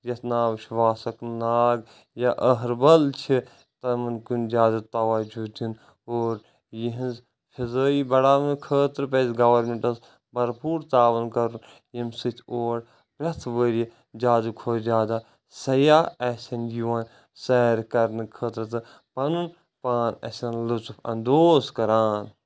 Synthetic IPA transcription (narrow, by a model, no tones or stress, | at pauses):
jɐt̪ʰnaːʋʃʋaːsɐknaːɡ | jaʔəɦɾbɐlt͡ʃʰi | t̪ɐmɨnkund͡ʒaːzut̪aʋaːd͡ʒut̪ʰin | oːɾ | jiɦinz | fʰizəːibɐɽaːmnkʰəːt̪ɾɨpezɡɐʋɐɾmeɳʈɐs | bɐɾpuːɾt̪aːʋɐnkɐɾun | jimsɨt̪ʰoːɽ | pɾʲɐt̪ʰʋəːɾii | d͡ʒaːzukʰoːd͡ʒaːd̪a | sɐjaːɛsʲɐnjuʋaːn | sɛɾkɐɾnɨkʰəːt̪ɾɨt̪ɨ | pɐnun | paːnɐ̰sɐnlɨt͡sufʰɐ̰nd̪oːskɐɾaːn